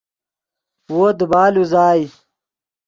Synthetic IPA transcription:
woːd̪baːluzaːi

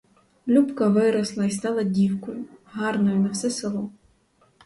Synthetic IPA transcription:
lʲupkɐʋɪɾɔslˠɐist̪ɑlˠɐdʲiwkɔjʊɦɑrnɔjʊnɐwsɛselˠɔ

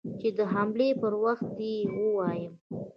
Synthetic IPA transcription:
t͡ʃed̪əɦamlepəɾwaxt̪̚d̪iwəwɑjəm

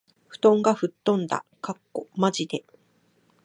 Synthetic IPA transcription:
ɸɯ̟̥t̪õ̞ŋɡaɸɯ̟t̪ːõ̞nd̪a̰kakːo̞maʑid̪e̞

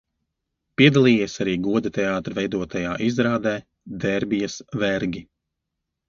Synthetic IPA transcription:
piɛd̪alˠiːjesaɾiːɡuɔd̪it̪ɛaːt̪ɾvɛjd̪uɔt̪ajaːʔizɾaːd̪ɛː | d̪ɛɾbijɐsvɛɾɡʲi

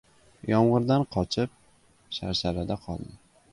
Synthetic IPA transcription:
jɒmʁɨɾd̪anqʰɒt͡ʃʰɪp̚ | ʃa̰ɾʃaɾad̪aqʰɒ̰lˠd̪ɪ

